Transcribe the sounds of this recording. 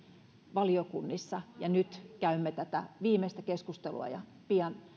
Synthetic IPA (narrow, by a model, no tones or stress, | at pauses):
ʋɑliokunːisːɑjɑnyt̪kæymːet̪æt̪æʋiːmest̪ækeskust̪elṵɑ̰jɑ | piɑn